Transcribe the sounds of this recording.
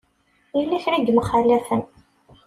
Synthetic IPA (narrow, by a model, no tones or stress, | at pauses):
ilːæçɾid̪məχalːæθən